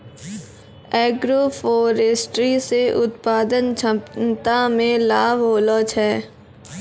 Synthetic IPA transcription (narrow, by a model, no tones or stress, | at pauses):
ɛːɡɾoːfoːɾeːsʈɾiseʔʊt̪paːd̪ənt͡ʃʰə̃t̪amẽlaːbɦoːloːt͡ʃʰɛː